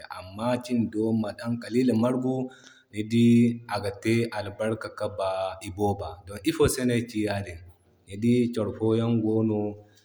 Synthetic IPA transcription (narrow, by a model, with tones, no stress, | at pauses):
ʔa̰˨mːa˦t͡ʃi˦ndɔ˦ma˨ɗa˦ŋkʼa˨liː˦la˨ma˦ɾɡu˦ | ni˨di˦ʔa˨ɡa˨tɛ˦ʔa˨lba˦ɾka˨ka˦ba˨i˨bɔː˦ba˨dɔ˨nʔi˦fɔ˦sɛ˦na˨t͡ʃi˦ja˦dɛ˨ | ne˨di˦t͡ʃɔ˨ɾfɔ˦ja˦nɡɔː˦nɔ˨